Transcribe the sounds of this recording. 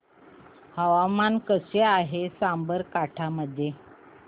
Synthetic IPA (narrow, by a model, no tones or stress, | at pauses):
həʋamankəseaɦesambəɾkaʈʰaməd̪ʱje